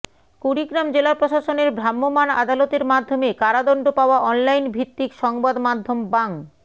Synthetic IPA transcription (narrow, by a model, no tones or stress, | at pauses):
kuɾiɡɾamd͡ʑelapɾoʃaʃoneɾbɾamːomana̰d̪alot̪eɾmad̪ʱːomekaɾad̪ɔɳɖopaoaʔɔnlajnbʱit̪ːikʃɔŋbad̪mad̪ʱːombaŋ